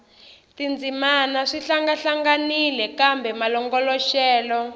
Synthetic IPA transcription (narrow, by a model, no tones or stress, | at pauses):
tind͡zimanaʂiɬaŋɡaɬaŋɡanilɛkambɛmalɔŋɡɔlɔʃɛːlɔ